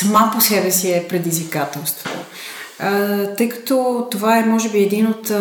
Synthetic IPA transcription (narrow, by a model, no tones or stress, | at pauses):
səmaposɛbɛsiɛpɾɛd̪izvikat̪ɛlˠst̪vot̪o̰ | t̪əjkɐ̥t̪ɔt̪ovaɛmɔʒɛbiɛd̪inot̪